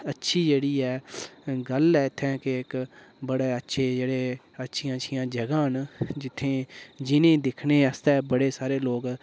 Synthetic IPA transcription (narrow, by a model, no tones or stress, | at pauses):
ətːʃʰiːd͡ʒeːɽiːɛːɡəlɛːɪt̪ʰːɛ̃ːkeɪkbəɽeːətːʃʰeːd͡ʒeːɽeː | ətːʃʰɪjãːʃʰɪjãːd͡ʒəɡãːɦnd͡ʒɪt̪ʰːẽːd͡ʒɪnẽːd̪ɪkʰneːəst̪ɛːbəɽeːsaːɾeːloːɡ